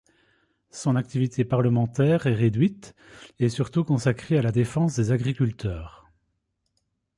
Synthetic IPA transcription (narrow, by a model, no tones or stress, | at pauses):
sɔ̃nak̚t̪ivit̪ʰepaʁləmɑ̃t̪ɛːʁɛʁed̪ɥit̪ | ɛsyʁt̪ukɔ̃sakχealad̪efɑ̃sd̪ezaɡʁikʲylt̪ʰœːʁ